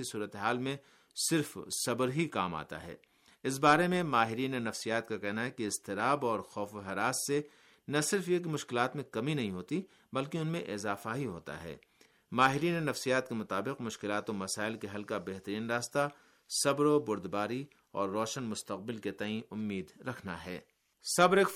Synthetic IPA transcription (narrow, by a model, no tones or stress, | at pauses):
isuːɾət̪eɦaːlmẽ | sɪɾfsɐbɾɦikaːma̰ːt̪a̰ɦɛ̰ː | ɪs̬baːɾemẽmaːɦɪɾiːnenɐfsijaːt̪̚kakɛɦnaɦɛkiɪst̪ɪɾaːbɔːɾxɔːfoɦɛɾaːsːe | nɐsɪɾfjekimʊʃkɪlaːt̪mẽkɐminɐɦĩɦoːt̪i | bɐlkeʊnmẽʔɪzaːfaɦiɦo̰ːt̪a̰ɦɛ̰ː | maːɦɪɾiːnenɐfsijaːt̪̚kemʊt̪aːbɪqmʊʃkɪlaːt̪õmɐsaːɪlkeɦɐlkabɛɦt̪əɾiːnɾaːst̪a | sɐbɾobʊɾd̪baːɾi | ɔːɾːɔːʃənmʊst̪ɐq̚bɪlket̪ɐĩʊmːiːd̪ɾɐkʰna̰ɦɛ̰ː | sɐbɾek